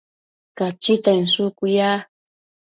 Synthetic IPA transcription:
kat͡ʃit̪ansʊkʊjaː

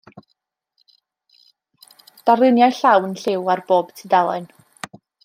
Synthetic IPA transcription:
d̥alˠɪnjajɬawnɬɪwarb̥oːb̥tʰidalˠɔɨn

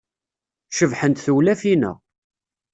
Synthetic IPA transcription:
ʃəvħənt̪θuwlæfinə̰ʁ

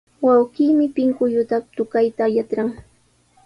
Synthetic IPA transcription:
wawɢiːmɪpɪŋkʊʎʊt̪at̪ʊkajt̪aːjat̪ɾaŋ

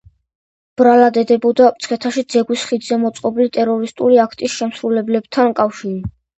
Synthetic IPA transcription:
b̥ɾalad̪ɛd̪ɛbɔd̪apt̪sʰχʰɛt̪ʰaʃid̪zɛɡwisχid̪zɛmɔt̪sʼqʼɔblit̪ʼɛɾɔɾist̪ʼuliakʰt̪ʼisʃɛmsɾulɛblɛbt̪ʰankʼafʃiɾi

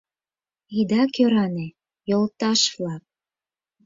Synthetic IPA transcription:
id̪ɑkøɾɑne | jolt̪ɑʃvlɑk̚

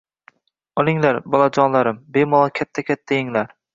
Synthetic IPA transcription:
ɒlˠɪŋlaɾbɒlˠad͡ʒɒnlˠaɾɪmbemɒlˠɒkʲʰat̪ʰːakʲʰat̪ʰːajɪŋlaɾ

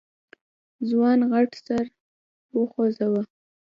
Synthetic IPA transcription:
zwɑnɣaʈsaɾ | wəxozawa

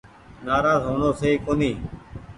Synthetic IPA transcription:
naːɾaːzɦoːɳoːseiːkoːniː

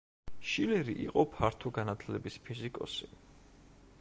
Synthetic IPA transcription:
ʃilɛɾḭʔḭqʼɔpʰaɾt̪ʰɔɡanat̪ʰlɛbispʰizikʼɔ̰si̥

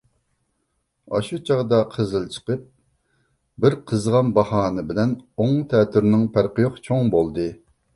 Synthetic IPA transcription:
ɑ̰ʃut͡ʃʰɑʁd̪ɑqʰəzɨlˠt͡ʃʰə̥qəp̚ | bɪɾqʰəzʁɑnbɑhɑːnɨbɪlɛnoŋt̪ʰɛːt̪ʰyɾnɪŋpʰæɾqɨjoqt͡ʃʰoŋbolˠd̪ɨ

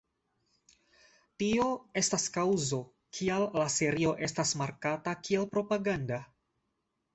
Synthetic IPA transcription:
tio̞e̞staskawzo̞ | kʰialːase̞ɾio̞ʔe̞stasmaɾkatakielpɾo̞paɡanda

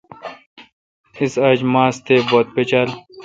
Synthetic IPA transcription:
isɐd͡ʑmaːst̪ʰebot̪̚pet͡ɕɐl

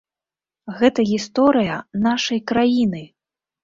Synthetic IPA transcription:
ɣɛt̪ɐɣʲist̪ɔɾɨjɐnaʂɐjkɾajinɨ

